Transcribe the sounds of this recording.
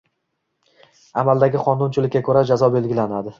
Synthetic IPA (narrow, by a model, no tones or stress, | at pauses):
amald̪aɡʲɪqʰɒnːʊnt͡ʃʰɪlɪkʲːakʰɵɾad͡ʒazɒbe̞lɡʲɪlanad̪ɪ